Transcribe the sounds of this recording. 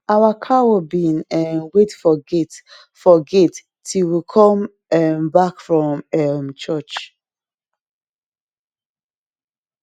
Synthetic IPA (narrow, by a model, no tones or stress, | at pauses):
awakʰawɔbinɛnwetfɔɡt | fɔɡɛt | tʰiwikʰɔ̃m | ɛmbakfɹɔ̃mɛmt͡ʃɜt͡ʃ